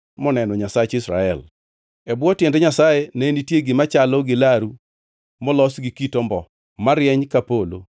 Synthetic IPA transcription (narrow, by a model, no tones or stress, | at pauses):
mɔnɛnɔɲasat͡ʃɪsɾa̰ɛl | ɛbwɔtjɛndɛɲasajenenitjeɡɪmat͡ʃalɔɡɪlaɾu | mɔlɔsɡikitɔmbɔ | maɾjɛɲkapolo̰